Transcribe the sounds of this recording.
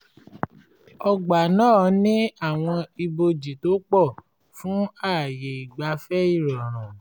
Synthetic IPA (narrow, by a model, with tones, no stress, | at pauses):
ɔ˧ɡ͡ba˨nãː˦˨nĩ˦a˦˨w̃ɔ̃˧i˧bo˧d͡ʒi˨to˨˦k͡pɔ˦˨ | fũ˨˦a˦˨je˨i˨ɡ͡ba˧fɛ˦i˦˨ɾɔ˨ɾ̃ã˨